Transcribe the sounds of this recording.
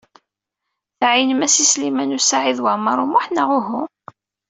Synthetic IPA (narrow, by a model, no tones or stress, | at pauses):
θʕinəmæsislimænusaʕiðwaʕmɑɾˤʊmʊħnaʁʊɦʊm